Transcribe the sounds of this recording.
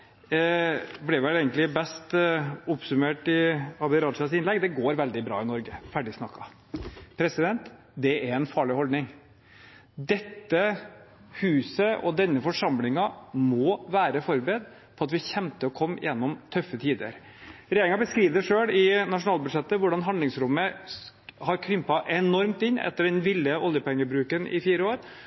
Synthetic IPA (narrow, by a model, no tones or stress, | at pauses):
blɛʋɛleːɡənlɪbɛst̪ʊpsʉmeːʈɪɑb̪ɪɾɑːd̪ʂɑsɪnlɛɡd̪ɛɡoːɾʋɛld̪ɪbɾɑ̰ːɪnɔɾɡəfæɖɪsnɑkːɑ | pʰɾɛsɪd̪ɛnt̪ | d̪ɛæɾɛnfɑːɭɪhɔld̪nɪŋ | d̪ɛt̪ːə | hʉːsəɔd̪ɛnːəfɔʂɑmlɪŋɑmɔːʋæːɾəfɔɾbɾed̪ | pʰɔɑt̪ʋɪçɛmt̪əɔkʰɔmːjɛnːɔmt̪ʰœfːət̪ʰiːd̪ə̰ɾ | ɾɛjeɾɪŋɑbəskɾiːʋd̪əʂøːɽɪnɑʂʊnɑːlbʉd̪ʂɛt̪ːəʋʊɖɑnɦɑnd̪ɪŋsɾʊmːə | hɑɾkʰɾʏmpɑʔɛnɔɾmt̪ɪnːɛ̰t̪ːəɖɛnʋɪlːəʔɔljəpɛŋːəbɾʉːkənʔɪ̰fiːɾəoːɾ